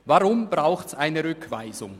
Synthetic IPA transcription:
vaʁʊmbʁaʊxtsaɪnəʁʏkʰv̥a̰ɪzʊ̰ŋ

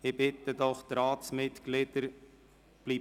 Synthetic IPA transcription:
ɪbɪt̪əd̪ɔχt̪ɾaːt̪smɪt̪ɡ̥lɪd̪əɾ | b̥liː

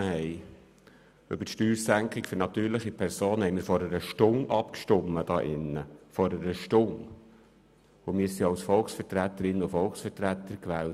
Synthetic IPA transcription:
hɛɪ | ʏb̥ətʃtyːɾsæŋkʰɪkfɵɾnɑt̪yːɾlɪχipʰɛɾsoːnhɛɪmɪːɾfɔɾəɾəʃtʊŋʔɑpkʃtʊmːəd̥ɑːʔɪnːəfɔɾəɾəʃtʊŋ | ʊmɪːɾsiɑʊsfɔlksfɛɾtɾæt̪ːəɾɪnːəʊfɔlksfəɾtɾæt̪ːəɾkʋɛːl

